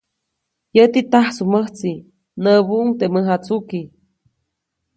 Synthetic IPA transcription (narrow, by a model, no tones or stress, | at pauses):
jət̪it̪ahsuməht͡si | nəβuʔuŋt̪eməɦat͡suki